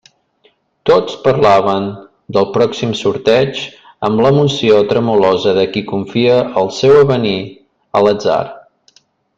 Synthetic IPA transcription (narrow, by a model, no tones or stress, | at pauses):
t̪ot͡spəɾlaβən | d̪əlˠpɾɔksimsuɾt̪ɛd͡ʒ | əmləmusiot̪ɾəmulɔzəðəkikuɱfiəʔəlˠsɛwəβəni | ələd͡za̰r